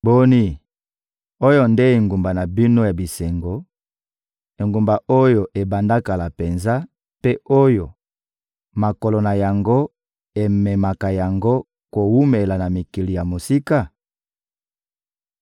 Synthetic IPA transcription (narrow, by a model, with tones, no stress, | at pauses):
bo˦ni˦ | o˦jo˦nde˦e˨ŋɡu˨mba˨na˨bi˦no˦ja˨bi˨se˨ŋɡo˨ | e˨ŋɡu˨mba˨o˦jo˨ʔe˨ba˨nda˦ka˨la˨pe˨nza˦ | pe˦ʔo˦jo˨ | ma˨ko˨lo˨na˨ja˨ŋɡo˦ | e˨me˨ma˨ka˨ja˨ŋɡo˦ | ko˨wu˦me˨la˨na˨mi˨ki˨li˨ja˨mo˨si˦ka˦˨